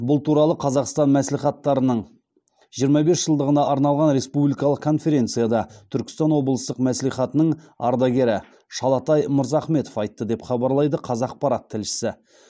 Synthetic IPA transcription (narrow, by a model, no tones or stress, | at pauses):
bʊlˠt̪ʰuɾɑlˠəqʰɑzɑqst̪ɑnmæsliχɑt̪ːɑɾənəɴ | ʒijəɾmɑbe̞sʒ̥əlˠd̪əʁənɑʔɑɾnɑlˠʁɑnɾe̞spublijkɑlˠəqkʰːo̞nfe̞ɾʲe̞nt̪sɨjad̪ɑt̪ʰʏɾkʲɪ̥st̪ɑnwo̞blˠəst̪əqmæsliχɑt̪ənəɴ | ɑ̰ɾd̪ɑɡʲe̞ɾɪ | ʃɑlˠɑt̪ɑjmʊɾzɑχme̞t̪ofɑjt̪ːəd̪e̞pχɑbɑɾlˠɑjd̪əqʰɑzɑq̚pɑɾɑt̪ʰːɪlʃɪ̥sɪ